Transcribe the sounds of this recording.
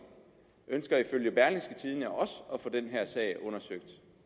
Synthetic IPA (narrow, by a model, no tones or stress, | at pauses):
ʔønsɡ̥ɐiføljəb̥æɐlinsɡ̥ət͡sʰiðˠnəɒɒ̽səɒ̽fɒ̽d̥enɦæɐ̰sɛ̰ɪʔɔ̽nɐsøɡ̥̚d̥